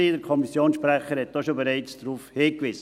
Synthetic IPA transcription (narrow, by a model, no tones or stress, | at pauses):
iːdəɾkʰɔmisjoːnsʃpɾɛχəɾhɛtt̚d̥ɔʃobeɾɛɪt͡sd̥ɾuːfheːkvɪsə